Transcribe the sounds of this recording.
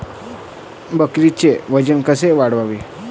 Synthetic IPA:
bəkɾit͡ɕeʋəd͡ʑənkəseʋaɽʋaʋe

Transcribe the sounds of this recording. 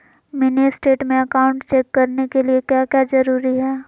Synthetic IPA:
mɪnisʈeːʈmẽɐkaːʊ̃ɳʈt͡ʃeːkːɐɾnekeliekjaːkjazɐɾuːɾiɦɛː

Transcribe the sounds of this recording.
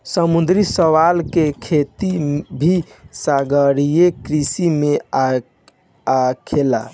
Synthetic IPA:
səmund̪ɾisəwalkekʰet̪ibʱisaɡəɽijekɾisime | kʰela̰

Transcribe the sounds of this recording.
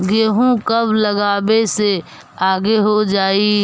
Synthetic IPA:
ɡeːɦũkɐbʱləɡaːbese | aːɡeɦod͡ʒaːiː

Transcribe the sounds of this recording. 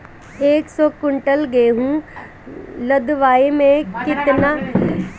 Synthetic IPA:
eːksɔːkʊɳʈəlɡeːɦũ | ləd̪ʋaːimẽkɪt̪na

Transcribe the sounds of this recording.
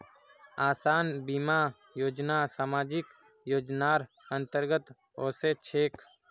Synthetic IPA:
aːsaːnbima | joːd͡ʒnasaːmaːd͡ʒɪk | joːd͡ʒnaːɾ | ə̃nt̪əɾɡət̪ | oːset͡ʃʰeːk

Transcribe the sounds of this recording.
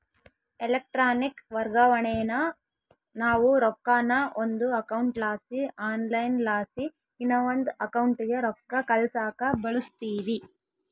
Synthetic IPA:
elɐk̚ʈɾaːnikʋɐɾɡaʋɐɳeːnɐ | naːʋuɾɔkːaːnɐʔond̪uɐkɐwuɳʈlaːsiaːnlɐjnlaːsi | inːɐʋond̪ɐkɐwɳʈiɡeɾɔkːɐkɐlsaːkɐbɐɭust̪iːʋi

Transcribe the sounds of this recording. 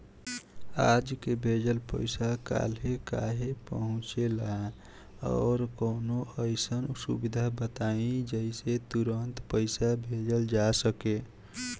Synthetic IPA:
ad͡ʒkebʱed͡ʒəlpə̰ɪsaka̰lɦeka̰ɦepəɦʊ̃t͡ʃelaɦẽ | ɔ̰ːɾkəːnoʔəɪsənsṵbid̪ʱabət̪aĩd͡ʒəiset̪uɾənt̪pəɪsabʱed͡ʒəld͡ʒasəke

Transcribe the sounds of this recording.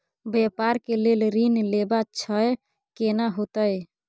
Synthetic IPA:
bepaɾkelelɾinlebat͡ʃʰəj | kenaɦot̪əj

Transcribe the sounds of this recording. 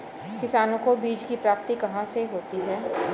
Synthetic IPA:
kɪsaːnõkobiːd͡ʒkipɾaːp̚t̪ikɐɦãseɦoːt̪iɦɛː

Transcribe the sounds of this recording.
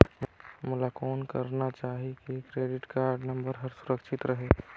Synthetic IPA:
mulakɔːnkə̰ɾnat͡ʃaːɦikekɾeɖɪʈkaɾɖnəmbəɾɦəɾsuɾəkʃʰit̪ɾəɦe

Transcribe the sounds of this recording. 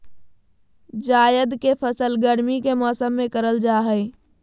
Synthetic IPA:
d͡ʒajəd̪kepʰəsəlɡəɽmikemɔːsəmːekəɾəld͡ʒaɦəɪ

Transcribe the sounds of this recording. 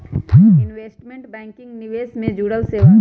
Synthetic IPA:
ɪnʋeːsʈmẽɳʈbɛ̃ːŋkɪ̃ŋɡnɪʋeːsmẽd͡ʒuːɽəlseːʋa

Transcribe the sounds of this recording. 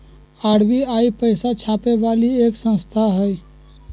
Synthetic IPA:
aːɽʋiaːipəɪsat͡ʃʰaːpeʋaːlieːksə̃nst̪ʰaɦɛ

